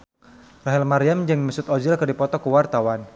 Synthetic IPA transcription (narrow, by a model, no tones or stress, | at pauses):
raɦɛlmaɾiamd͡ʒɨŋməsʊt̪ɔd͡ʒɪlkərdipɔt̪ɔkəwart̪awan